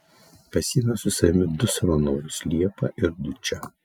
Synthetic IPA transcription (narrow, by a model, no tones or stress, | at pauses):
pʲɐsʲiːnɐsʊsɐmʲɪd̪ʊsɐʋɐnɔːɾʊslʲiɛpɐʔɪɾd̪ʊt͡ʃʲɛ